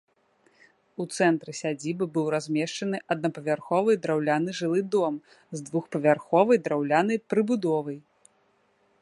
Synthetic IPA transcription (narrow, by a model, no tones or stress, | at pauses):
ut̪sɛnt̪ɾɨsʲad͡zʲibɨbɨwɾazʲmʲɛʂt͡ʂɐnɨʔɐd̪nɐpɐvʲarxɔvɨjd̪ɾawlʲanɨʐɨlˠɨd̪ɔm | zd̪vuxpɐvʲarxɔvɐjd̪ɾawlʲanɐjpɾɨbud̪ɔvɐj